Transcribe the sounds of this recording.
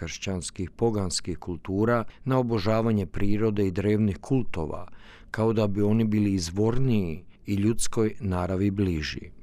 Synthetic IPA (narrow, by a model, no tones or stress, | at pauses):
rʃt͡ɕanskixpo̞ɡanskixkulˠt̪uːɾanao̞bo̞ʒaːʋaɲe̞pɾiːɾo̞d̪e̞id̪ɾe̞ːʋnixkʰulˠt̪o̞̰ʋa̰ | kao̞d̪abio̞nibiːliːzʋo̞ɾniiiʎut̪sko̞jnaːɾaʋibliʒḭ